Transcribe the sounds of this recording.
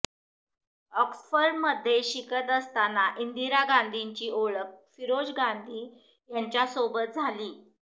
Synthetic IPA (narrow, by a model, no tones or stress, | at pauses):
ɔksfəɾɖməd̪ʱjeɕikət̪əst̪anaʔind̪iɾaɡand̪ʱiɲt͡ɕiːoɭək̚fiɾod͡ʑɡand̪ʱiː | jaɲt͡ɕjasobət̪̚d͡zʱaliː